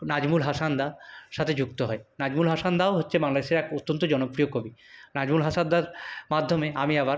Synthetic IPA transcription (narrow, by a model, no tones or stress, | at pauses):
nad͡ʑmulɦaʃand̪aʃat̪ʰed͡ʑuk̚t̪oɦɔenad͡ʑmulɦaʃand̪aoɦotːɕʰebaŋlad̪eʃeɾɛkut̪ːont̪od͡ʑɔnopɾiokobinad͡ʑmulɦasand̪aɾmad̪ʱːomeamiɛbaɾ